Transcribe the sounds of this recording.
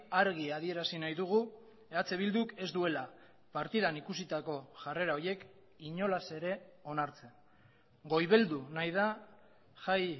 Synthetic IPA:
aɾɣiað̞ie̞ɾasinajðuɣ̞u | eat͡se̞βild̪uke̞zd̪ue̞la | paɾt̪iðanikusit̪ako̞ʝare̞ɾao̞je̞k | iɲo̞lase̞ɾe̞o̞naɾt͡sen | ɡo̞jβe̞ld̪unajð̞a | ʝaj

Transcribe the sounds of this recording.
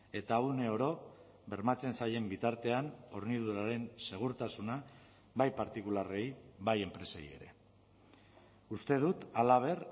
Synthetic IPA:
e̞t̪aune̞oɾo̞ | βe̞ɾmat͡se̞nsaje̞mbit̪aɾt̪e̞ano̞ɾniðuɾaɾe̞nse̞ɣ̞uɾt̪asuna | βajpaɾt̪ikulare̞jβaje̞mpɾe̞sḛj̰e̞̰ɾe̞̰ | ust̪e̞ð̞ut̪alaβ̞e̞r

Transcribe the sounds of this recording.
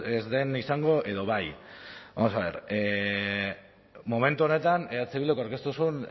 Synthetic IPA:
ezðe̞nisaŋɡo̞ʔe̞ðo̞βajβa̰mo̞saβe̞̰ɾe | mome̞nt̪uone̞t̪aneat͡seβilokoawɾke̞st̪usun

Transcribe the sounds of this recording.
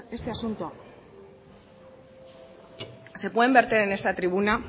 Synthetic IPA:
e̞st̪e̞asunt̪oa | se̞pwe̞ðe̞mbe̞ɾt̪e̞ɾe̞ne̞st̪at̪ɾiβ̞una

